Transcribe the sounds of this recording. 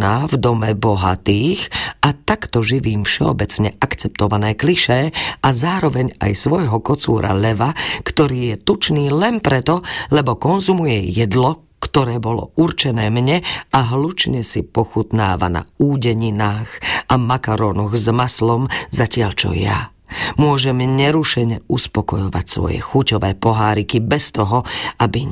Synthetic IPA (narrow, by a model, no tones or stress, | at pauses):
naːvd̪ɔmɛbɔɦa̰t̪iːxat̪akt̪ɔʒiʋiːmfʃɛɔ̰bɛt͡sɲɛʔakt͡sɛp̚t̪ɔʋanɛːkliʃɛːʔazaːɾɔʋɛɲa̰jsʋɔjɦɔkɔt͡sṵːɾʔa̰lɛʋakt̪ɔɾiːjɛt̪ut͡ʃniːlɛnpɾɛt̪ɔlɛbɔkɔnzumujɛjɛd̪lɔ | kt̪ɔɾɛːbɔlɔ̰uɾt͡ʃɛnɛːmɲɛaɦlut͡ʃɲɛsipɔxut̪na̰ːʋa̰na̰uːɟɛɲinaːxʔamakaɾɔːnɔɣzmaslɔmzacɪaʎt͡ʃɔ̰ja̰ | mʊɔʒɛmɲɛɾuʃɛɲɛuspɔkɔjɔʋa̰csʋɔ̰jɛ̰xucɔʋɛːpɔɦaːɾikibɛst̪ɔɦɔabi